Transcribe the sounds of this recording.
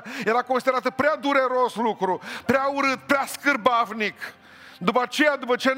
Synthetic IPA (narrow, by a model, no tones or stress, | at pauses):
je̞ɾako̞nsid̪eɾat̪əpɾead̪uɾe̞ɾo̞slukɾupɾeauɾɨt̪̚pɾeaskɨrbavnik | d̪upəat͡ʃe̞jad̪upət͡ʃe